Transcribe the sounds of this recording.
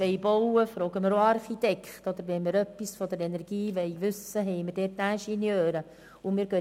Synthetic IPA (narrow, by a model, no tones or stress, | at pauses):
ɛjbowəfɾoːɡəməɾoɑɾχit̪ɛkχt̪ɔd̪əɾʋɛnməɾœpːisfɔd̪əɾɛnɛɾɡ̥iːʋɛɪʋʉsəɦɛjməɾdɛːtæʃinjøːɾə | ʊmiːɾɡø